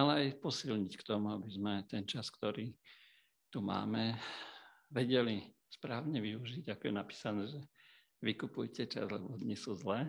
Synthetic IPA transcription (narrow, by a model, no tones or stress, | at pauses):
alɛajpɔsilɲickt̪ɔmuabizmɛt̪ɛnt͡ʃaskt̪ɔɾiː | t̪uma̰ːmɛ | ʋɛɟɛli | spɾaːʊɲɛʋiuʒiɟakɔjɛnapi̥ːsanɛːʒɛ | ʋikupujcɛt͡ʃa̰zlɛbɔd̪ɲisuzlɛː